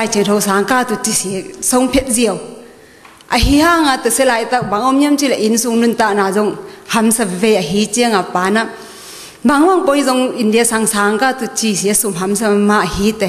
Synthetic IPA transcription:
a˧jt͡ʃʰi˨ŋtʰɔ˧wsa˨ŋka˦tu˨t͡ʃi˧si˨sɔ˧wŋpʰe˦t̚zi˦ja˨w | ʔɐ˨ɦi˧ha˦ŋa˧tɯ˨se˦la˨jta˦k̚ba˨ŋɔ˦mja˦mt͡ʃi˦la˨ʔi˨nsu˧ŋnu˦nta˦˨na˨zɔ˧ŋha˨msɐ˧bve˦˧ja˨ɦi˧˦t͡ʃi˦a˦ŋa˨pa˨na˦ | ba˨ŋma˦ŋpɔ˦jzɔ˧ŋindijasa˧ŋsa˨ŋka˦tu˧t͡ʃi˧si˨a˦su˧mɦa˨msɐ˦ma˧ɐhi˧˦tɐ˨

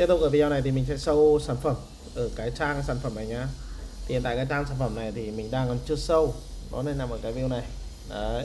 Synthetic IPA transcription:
i˦˥t̪ʊ˨˩k̚aː˨˩vi˧zaː˧˩na˨˩jt̪ʰi˨˩mï˨˩ŋ̟sɛ̰˧˥sə˧wsaː˧˩nfə˧˩m | ʔəː˧˩kaː˨˦jt͡ɕaː˧ŋsaː˧˩nfə˧˩mna˨˩jɲaː˧˩i˨˩nt̪a̰ː˧˨kaː˨˦jt͡ɕaː˧ŋsaː˧˩nfə˧˩mna˨˩jt̪ʰi˨˩mï˨˩ŋ̟ɗaː˧ŋkɔ˨˦nt͡ɕɨ˧əsə˧wnɔ̰˨˦ne˧nlaː˨˩mo˨˩t̚kaː˨˦jvi˧ə˨wna˨˩j | ə˨˦

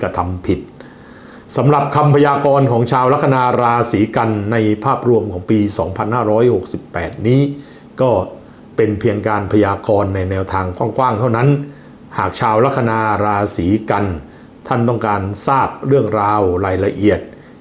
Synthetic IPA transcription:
ka˧t̪ʰa˧mpʰi˨˩t̪̚ | sa˩˦mɾa˨˩p̚kʰa˧mpʰa˧jaː˧kɔː˧nkʰɔː˩˦ŋt͡ɕʰaː˧wɾa˦˥k̪̚ːʰa˧naː˧ɾaː˧siː˩˦ka˧nːa˧jpʰaː˥˩p̚ɾu˧əmkʰɔː˩˦ŋpiː˧sɔː˩˦ŋpʰa˧nhaː˥˩ɾɔː˦˥jho˨˩k̚si˨˩pːɛː˨˩t̪̚niː˦˥ | kɔː˥˩ | pe˧npʰi˧əŋkaː˧npʰa˧jaː˧kɔː˧nːa˧jnɛː˧wt̪ʰaː˧ŋkʰwaː˥˩ŋkʰwaː˥˩ŋt̪ʰa˥˩wna˦˥n | haː˨˩k̚t͡ɕʰaː˧wɾa˦˥k̚ʰːa˧naː˧ɾaː˧siː˩˦ka˧n | t̪ʰa˥˩nt̪ɔ˥˩ŋkaː˧nsaː˥˩p̚ɾɯ˥˩əŋɾaː˧wɾaː˧jɾa˧ʔi˨˩ət̪̚

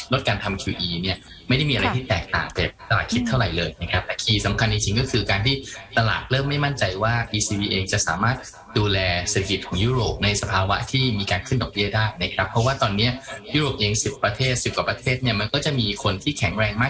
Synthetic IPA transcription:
lo˦˥t̪̚kaː˧nt̪ʰa˧mkʰiː˧ʔiː˧ni˥˩ɐ | ma˥˩da˥˩jmiː˧ʔɾa˧jt̪ʰiː˥˩t̪ɛː˨˩k̚t̪a̰ː˨˩ŋt̪ɛː˨˩k̚t̪a˧laː˨˩kʰi˦˥t̪ʰːa˥˩wɾa˨˩˦jlɤː˧jna˦˥˩kʰɾa˦˥p̚t̪ɛː˨˩kʰiː˧˩sa˩˦mkʰa˧ni˧t͡ɕʰi˧ŋkɔː˥˩kʰɯː˧kaː˧nt̪ʰiː˥˩t̪a˧la̰ː˨˩t̪̚ɾɤː˥˩mːa˥˩jma˥˩nt͡ɕa˧jwaː˥˩ʔiː˧siː˧wiː˧ʔeː˧ŋt͡ɕa˨˩ʔsaː˩˦maː˥˩t̪̚ | duː˧lɛː˧se˨˩a˩˧ki˨˩t̪̚kʰɔː˩˦ŋjuː˦˥ɾoː˨˩p̚na˧jsa˧pʰaː˧wa˦˥ʔt̪ʰiː˥˩miː˧kaː˧nkʰɯ˥˩ndɔ˨˩bi˥˩ədaː˥˩jna˦˥kʰɾa˦˥pʰːɾɔ˦˥waː˥˩t̪ɔː˧nːi˦˥ɐju˦˥ɾoː˨˩p̚ʔeː˧ŋsi˨˩pːɾa˧t̪ʰeː˥˩t̪̚si˨˩p̚kwaː˨˩pɾa˧t̪ʰeː˥˩t̪̚ni˥˩ɐma˧nkɔː˥˩t͡ɕa˨˩miː˧kʰo˧nt̪ʰiː˥˩kʰɛ˨˩˦ŋɾɛː˧ŋmaː˥˩

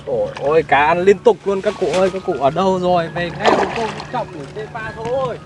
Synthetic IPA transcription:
ʔo˧˩jʔo˧˩jkaː˨˦ʔa˧˩nli˧ənt̪ʊ˨˩k͡p̚lu˧ənkaː˦˥kːṵ˧˨ʔəː˧jkaː˨˥kːṵ˧˨ʔəː˧˩ɗə˧wzo˨˩jve˨˩nɛ˦˥u˨˧˦kə˧wŋ͡mt͡ɕɔ̰˧˨wŋ͡mt̪i˧˩se˧vaː˧˩sʰə˧˦əː˧˩j

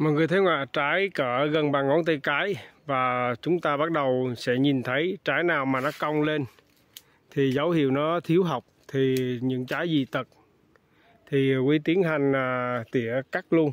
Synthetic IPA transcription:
mɔ̰˨jŋɨ˨˩jt̪ʰe˨˦ŋwa̰ː˧˨t͡ɕaː˨˦jkəː˧˩ɣə˨˩nɓaː˨˩ŋŋɔ˨˦nt̪ə˧jkaː˨˦jvaː˨˩t͡ɕʊ˨˦ŋ͡mt̪aː˧ɓa˦˥t̚ɗə˨˩wsɛ̰˧˥ɲi˨˩nt̪ʰə˨˦jt͡ɕaː˨˦jnaː˨˩wmaː˨˩nɔ˨˦ka˧wŋ͡mle˧n | t̪ʰi˨˩zə˨˦whḭ˧˨əwnɔ˨˦t̪ʰi˨˦əwɦa˨˩wk͡p̚t̪ʰi˨˩ɲɨ̰˧˥ŋt͡ɕaː˨˦jzi˨˩t̪ə˨˩t̚ | t̪ʰi˨˩kwi˨˦t̪i˨˦ənɦa˨˩jŋ̟ː˨˩t̪ḭ˧˨əka˦˥k̚lu˧ən

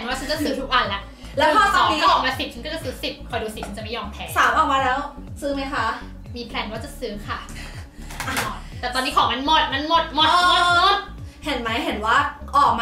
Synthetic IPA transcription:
ɛ˩nwaː˥˩a˦nt͡ɕa˨˩sɯː˦t̪ʰu˦˥k̚wa˧nlɛ˦˥ʔ | lɛː˦˥wkʰɔː˥˩sɔː˨˩˦ŋiː˧˦˥ɔ˥˩ɔː˧˩˦maː˧si˨˩t̚ʰa˦˥nkɔ˥˩t͡ɕa˧˨˩sɯː˦˥si˨˩kʰɔ˧jduː˧si˨˩a˧˦t͡ɕa˨˩ma˥jɔː˧mp̪ʰɛː˧˩saː˩˦mʔɔː˨˩waː˧ɾɛː˦˥w | sɯː˦˥ma˦˥jkʰa˦˥ | miː˧pʰlɛː˧˩nwaː˥˩t͡ɕa˨˩sɯː˦˥kʰa˥˩ | ʔa˨˧˩nɔː˨˩t̪̚t̪ɛː˨˩t̪ɔː˧nːiː˦˥kʰɔː˨˦ŋma˧nmo˨˩t̪̚ma˧˥nmo˨˩t̪̚moː˨˩˧o˨˩t̪̚ | he˨˦nma˦˥jɦe˨˦nwaː˥˩ʔɔː˨˩k̚maː

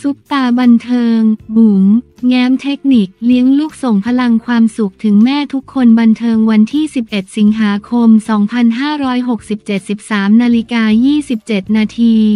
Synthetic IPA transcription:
su˦˥p̚t̪aː˧ba˧nt̪ʰɤː˧ŋmu˩˦mŋɛː˦˥mt̪ʰe˦˥k̚ni˨˩k̚li˦˥əŋluː˥˩k̚so˨˩˦ŋpʰa˧la˧ŋkʰwaː˧msu˨˩k̚t̪ʰɯ˩˦ŋmɛː˥˩t̪ʰu˦˥kʰːo˧nba˧nt̪ʰɤː˧ŋwa˧nt̪ʰiː˥˩si˨˩p̚ʔe˨˩t̪̚si˩˦ŋɦaː˩˦kʰo˧msɔː˩˦ŋpʰa˧nɦaː˥˩ɾɔː˦˥jɦo˨˩k̚si˨˩p̚t͡ɕe˨˩t̪̚si˨˩p̚saː˩˦mnaː˧li˦˧˥kaː˧jiː˥˩si˨˩p̚t͡ɕe˨˩t̪̚naː˧t̪ʰiː˧

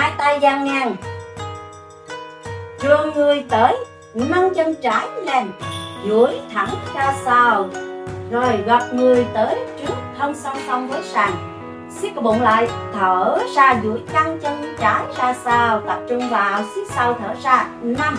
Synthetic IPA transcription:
haː˧jt̪a˧jzaː˧ŋːaː˧˩ŋ | t͡ɕɨ˨˩əŋːɨ˨˩əjt̪əː˨˦j | na˧ŋt͡ɕə˧nt͡ɕaː˨˦jlɛ˧˩nzu˧˩əjt̪ʰa˧˩ŋzaː˧saː˧˩wzo˨˩jɣa˨˩p̚ŋɨ˨˩əjt̪əː˨˦jt͡ɕɨ˦˥ək̚həː˧nsa˧wŋ͡msɔ˧wŋ͡mvə˨˦jsaː˨˩ŋ | si˦˥kɓo̰˧˨nla̰ː˧˨jt̪ʰəː˧˩zaː˧zṵ˧˩˥əjka˧ŋt͡ɕə˧nt͡ɕaː˨˦jzaː˧saː˧˩wt̪ə˦˥p̚t͡ɕʊ˧ŋ͡mvaː˨˩wsi˦˥k̚sa˧wt̪ʰəː˧˨˩zaː˧ | na˧m

